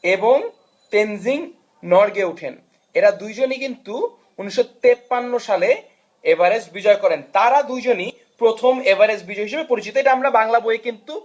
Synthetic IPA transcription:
eboŋ | t̪enziŋ | nɔɾɡeuʈʰḛn | eɾad̪ujd͡ʑonikint̪u | uniʃːot̪epːanːoʃale | ebaɾesbid͡ʑɔekɔɾent̪aɾad̪ujd͡ʑoni | pɾot̪ʰomebaɾesbid͡ʑɔeɦiʃebepoɾit͡ɕit̪oejʈaamɾabaŋlaboekint̪u

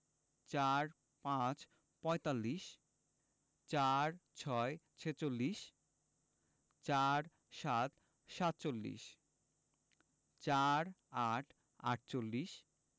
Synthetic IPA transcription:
t͡ɕaɾ | pãt͡ɕ | pɔet̪alːiʃ | t͡ɕaɾt͡ɕʰɔet͡ɕʰet͡ɕolːiʃ | t͡ɕaɾ | ʃat̪ | ʃat̪̚t͡ɕolːḭʃ | t͡ɕaɾaʈʰ | a̰ʈ̚t͡ɕolːiʃ

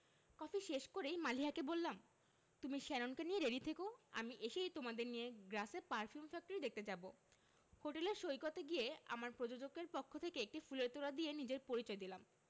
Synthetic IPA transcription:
kɔfʰiʃeʃkoɾejmaliɦakebolːam | t̪umiʃɛnonkenijeɾeɖit̪ʰekoa̰miʔeʃejt̪omad̪eɾnijeɡɾasepaɾfiumfɛk̚ʈoɾid̪ek̚t̪et͡ɕabo | hoʈeleɾʃojkot̪eɡijea̰maɾpɾod͡ʑod͡ʑoɡeɾpokʰːot̪ʰekeek̚ʈifuleɾt̪oɾad̪ienid͡ʑeɾpoɾit͡ɕɔed̪ilam

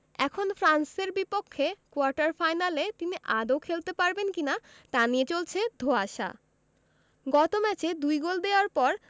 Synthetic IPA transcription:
ɛkʰonfɾanseɾbipokʰːekoaɾʈaɾfajnalet̪iniʔad̪owkʰelt̪epaɾbenkina | t̪aniet͡ɕolt͡ɕʰed̪ʱoaʃa̰ | ɡɔt̪omɛt͡ɕed̪ujɡold̪eoaɾpɔɾ

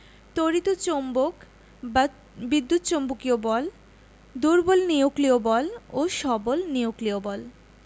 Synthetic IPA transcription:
t̪oɾit̪ot͡ɕombok | ba | bid̪ːut̪t͡ɕombukiobɔl | d̪uɾbolnijokliobɔloʃɔbolniokliobɔl

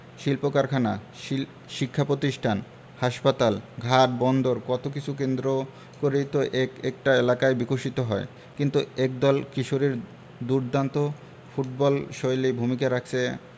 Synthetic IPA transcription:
ʃilpokaɾkʰana | i | ʃikʰːapɾot̪iʃʈʰan | haʃpat̪alɡʱaʈ̚bɔnd̪oɾkɔt̪okit͡ɕʰuk̬end̪ɾo | koɾet̪oʔeek̚ʈaelakaebikoʃit̪oɦɔe | kint̪uek̚d̪ɔlkiʃoɾiɾ | d̪uɾd̪ant̪o | fuʈbɔlʃojlibʱumikaɾakʰt͡ɕʰe

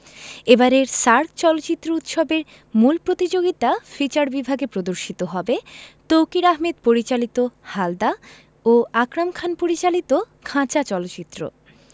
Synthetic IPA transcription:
ebaɾeɾsaɾk̚t͡ɕɔlot͡ɕit̪ːɾout̪ʃobeɾ | mulpɾot̪id͡ʑoɡit̪afit͡ɕaɾbibʱaɡepɾod̪oɾʃit̪oɦɔbet̪owkiɾaɦmed̪̚poɾit͡ɕalit̪ohald̪a | oakɾamkʰanpoɾit͡ɕalit̪o | kʰãt͡ɕat͡ɕɔlot͡ɕit̪ːɾo̰

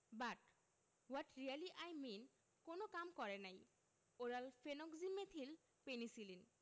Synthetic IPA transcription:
baʈ | waʈɾialiʔajmin | konokamkɔɾenaj | oɾalfʰenokzimet̪ʰil | penisilin

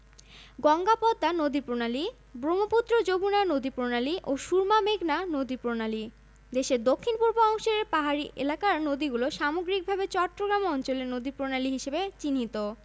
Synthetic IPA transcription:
ɡɔŋɡapɔd̪ːanod̪ipɾonali | bɾomoput̪ːɾod͡ʑobunanod̪ipɾonaliʔoʃuɾmameɡnanod̪ipɾonali | d̪eʃeɾd̪okʰːinpuɾboɔŋʃoɾeɾpaɦaɾiʔḛlakaɾnod̪iɡuloʃamoɡɾik̚bʱabet͡ɕɔʈːɾoɡɾamɔnt͡ɕoleɾnod̪ipɾonaliɦiʃebet͡ɕinɦit̪o

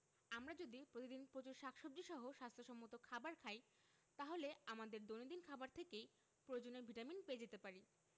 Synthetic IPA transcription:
amɾad͡ʑod̪ipɾot̪id̪inpɾot͡ɕuɾʃakʰʃob̚d͡ʑiʃɔɦoʃast̪ʰoʃɔmːot̪okʰabaɾkʰaj | t̪aɦoleamad̪eɾd̪onod̪inkʰabaɾt̪ʰekej | pɾood͡ʑoneɾbʱiʈaminpeed͡ʑet̪epaɾi

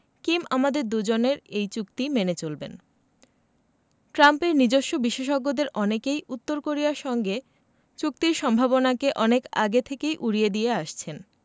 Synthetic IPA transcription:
kimʔamad̪eɾd̪ud͡ʑoneɾejt͡ɕuk̚t̪imenet͡ɕolbḛn | ʈɾampeɾnid͡ʑoʃːobiʃeʃɔɡːod̪eɾʔɔnekejut̪ːoɾkoɾijaɾʃɔŋɡe | t͡ɕuk̚t̪iɾʃɔmbʱabonakeʔɔneka̰ɡet̪ʰekejʔuɽied̪ieaʃt͡ɕʰen

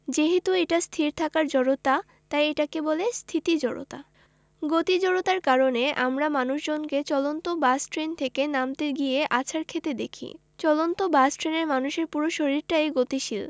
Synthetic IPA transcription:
d͡ʑeɦet̪ueʈast̪ʰiɾt̪ʰakaɾd͡ʑɔɽot̪a | t̪ajeʈakebolest̪ʰit̪id͡ʑɔɽo̰t̪a̰ | ɡot̪id͡ʑɔɽot̪aɾkaɾoneʔamɾamanuʃd͡ʑonket͡ɕɔlont̪obasʈɾent̪ʰekenamt̪eɡijeʔat͡ɕʰaɾkʰet̪ed̪ekʰḭ | t͡ɕɔlont̪obasʈɾeneɾmanuʃeɾpuɾoʃoɾiɾʈaeɡot̪iʃil

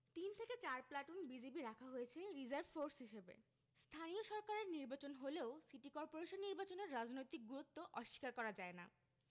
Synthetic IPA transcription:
t̪int̪ʰeket͡ɕaɾplaʈunbid͡ʑibiɾakʰaɦojet͡ɕʰeɾid͡ʑaɾbfoɾsɦiʃebḛ | st̪ʰanijoʃɔɾkaɾeɾniɾbat͡ɕonɦoleosiʈikɔɾpoɾeʃonːiɾbat͡ɕoneɾːad͡ʑnojt̪ik̚ɡuɾut̪ːoʔɔʃːi̥kaɾkɔɾad͡ʑaena̰

